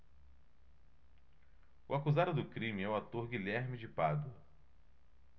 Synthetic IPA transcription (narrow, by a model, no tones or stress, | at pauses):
ʊ̰akuzad̪ʊd̪ʊkɾĩmɪɛʊat̪oɾɡilɛɾmid͡ʒɪpad̪ʊ